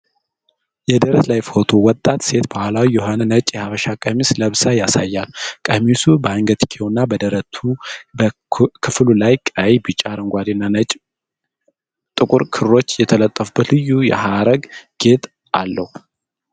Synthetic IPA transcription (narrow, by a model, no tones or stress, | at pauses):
jɛd̪əɾəslajfo̞t̪ʰo̞wɔt̪ʼːat̪se̞t̪bahʷalawijɛɦonnət͡ʃʼjɛhaβəʃakʼəmisləβsajasajːalkʼəmisubəaŋɡət̪ʰʼkʰe̞wnːabəd̪əɾət̪ʰub | kʰɨflulajkʼajbɨt͡ʃʼːaɾɨŋɡʷad̪inːanət͡ʃʼ | t̪ʼɨkʷʼʊɾkʰɨɾo̞t͡ʃːjɛt̪ʰələt̪ʼːəfubət̪lɨjːujɛ̰haɾəɡɡ̥e̞t̪ | alːəhu